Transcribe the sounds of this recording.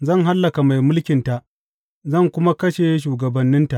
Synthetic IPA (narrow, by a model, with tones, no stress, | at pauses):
zɐ˦˨ŋɦa˦lːɐ˨ka˨ma˨jmʊ˦lkʲɪ˨nta˨ʔ | zɐ˦˨ŋkʷʊ˦ma˦kɐ˦ʃe˨˦ʃ̬uː˨ɡɐ˨bɐ˨nːɪ˦nta˨ʔ